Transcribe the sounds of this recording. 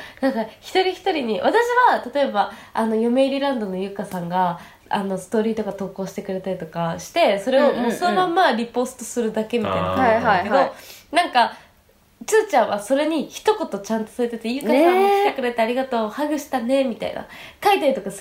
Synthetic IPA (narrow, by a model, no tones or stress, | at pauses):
nãŋkaçi̥t̪o̞ɾʲiçi̥t̪o̞ɾʲiɲ̟iβat̪aɕiβat̪at̪o̞e̞baano̞jo̞me̞iɾʲiɾãnd̪o̞no̞jɯ̟ːkasãŋɡa | ano̞sɨ̥t̪o̞ːɾʲiːt̪o̞kat̪o̞ːko̞ːɕi̥t̪e̞kɯ̟ɾe̞t̪aɾʲit̪o̞kaɕi̥t̪e̞so̞ɾe̞o̞mo̞ːso̞no̞mãmːaɾʲipo̞ːsɨ̥t̪osɨɾɯ̟d̪ake̞mʲit̪ainakaaked̪o̞nãŋka | t͡sɨːt͡ɕãɰ̃βaso̞ɾe̞ɲ̟içi̥t̪o̞ko̞t̪o̞t͡ɕãnt̪o̞soɾet̪et̪ejɯ̟ːkasãɕit̪e̞kɯ̟ɾe̞t̪aːɾʲiɡat̪oːhaɡɯ̟ɕi̥t̪ane̞mʲit̪a̰ḭna̰kait̪aɾʲit̪o̞kas